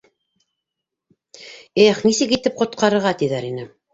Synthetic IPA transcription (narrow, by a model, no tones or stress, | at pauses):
eχnisɘkit̪ɘp̚qŏt̪̚qɑɾɤ̆ɾʁɑt̪iðæɾinɘ